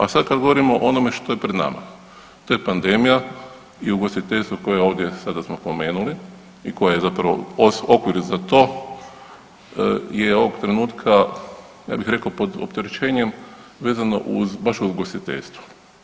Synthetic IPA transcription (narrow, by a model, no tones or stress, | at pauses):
asad̪kad̪ɡo̞ʋoɾimoʔonomeʃt̪o̞jepɾed̪na̰ma̰ | t̪oːjepand̪e̞mija | iuɡo̞sit̪eʎʲst̪ʋoko̞jeo̞ːʋd̪jesad̪asmospo̞me̞ːnuli | iko̞jajezapɾaʋo̰oso̞kʋiɾzat̪o̞ | jeo̞ʋoɡt̪ɾe̞nuːt̪kʰa | ja̰ːbixɾe̞kaopo̞d̪o̰pt̪eɾet͡ʃe̞ːɲemʋeːzano̞̰ʔṵzbaʃuzuɡosit̪e̞̰ʎʲst̪ʋu̥